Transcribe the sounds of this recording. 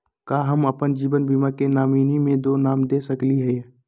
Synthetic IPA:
kaːɦəməpənd͡ʒiːbənbiːmakenaːmiːnimẽd̪oːnaːmd̪esəkliɦɛ

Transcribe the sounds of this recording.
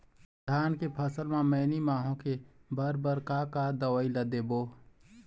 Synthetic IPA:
d̪ʱaːnkepʰəsəlmãmɛːnimaːɦõkebəɾbəɾkakad̪əwəilɐd̪eːboː

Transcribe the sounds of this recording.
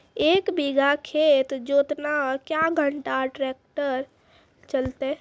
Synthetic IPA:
eːkbiɡʱakʰet̪d͡ʒot̪nakjaɡʱəɳʈaʈɾek̚ʈəɾ | t͡ʃəlt̪e

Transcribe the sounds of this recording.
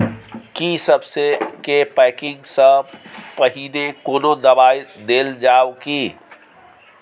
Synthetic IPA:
kisəbsekepɛkɪ̃ŋɡsəbpəɦilekoːnod̪əbajd̪eld͡ʒawki

